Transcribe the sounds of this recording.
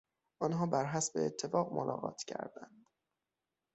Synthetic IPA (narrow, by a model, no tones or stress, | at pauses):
ʔɒnɦɒːbæɾɦæsbeːt̪ʰːe̞fɒːɣmolʔɒ̰ɣɒ̰ːt̪ʰcʰæ̰ɾd̪ænd̪̥